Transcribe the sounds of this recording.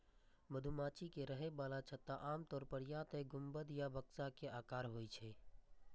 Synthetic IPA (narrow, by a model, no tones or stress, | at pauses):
məd̪ʱumaːt͡ʃikeɾəɦebalat͡ʃʰət̪aʔaːmt̪ɔːɾpəɾjat̪eɡʱʊmbəd̪jabəksakeʔaːkaːɾɦojt͡ʃʰɛ